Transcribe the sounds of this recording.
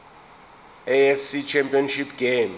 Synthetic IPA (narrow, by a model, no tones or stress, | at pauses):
ɛɛfsit͡ʃʰɛmpʼiɔnʃipʰɡ̥em